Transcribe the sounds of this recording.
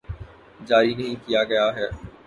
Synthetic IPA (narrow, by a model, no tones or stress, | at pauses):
d͡ʒaːɾinɐɦĩkijaɡɐjaɦɛː